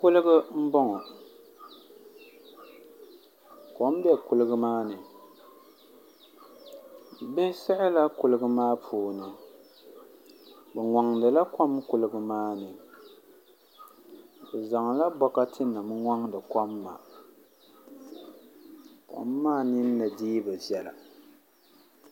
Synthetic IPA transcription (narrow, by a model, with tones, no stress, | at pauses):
kʊ˦lɨ˦ɡɨ˦m̩˦bɔ˦ŋɔ˨ | ko˨˦m˦bɛ˦kʊ˦lɨ˦ɡɨ˦maː˦nɨ˨ | bɛ˦sɛ˦ʔɪ˦la˦kʊ˨lɨ˦ɡɨ˦maː˦pʰuː˦˨nɨ˨ | bɛ˨ŋɔ˨ŋdɨ˨la˦ka˦mkʊ˨lɨ˦ɡɨ˦maː˦nɨ˨ | bɛ˨za˨ŋ˨la˦bɔ˦ka˦tʰɨ˦nːa˨mɨ˦ŋa˦ŋdɨ˨ka˦mːa̰˨ | kɔ̰˨mː˦aː˦nɪ˦nː˦ɨ˨diː˦bɨ˨zjɛ˨la̰˨